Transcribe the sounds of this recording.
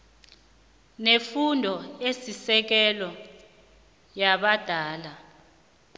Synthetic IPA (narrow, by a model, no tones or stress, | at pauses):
nefundʱɔesisɛk̬ɛlɔ | jaɓad̥ʱaːla